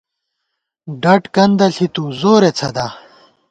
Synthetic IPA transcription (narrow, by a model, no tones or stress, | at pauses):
ɖɐʈkɐnd̪ɐɬit̪uzoːɾet͡sʰɐd̪aː